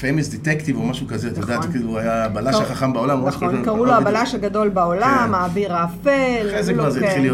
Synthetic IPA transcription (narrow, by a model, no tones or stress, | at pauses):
femisd̪et̪ekt̪ivomaʃukazeat̪ajod̪aːt̪kiːluajaːbalaʃaχaχambaolamuoekaʁuloabalaʃaɡad̪o̞lbaolamaːbiʁaːfelezekvaʁzetχilij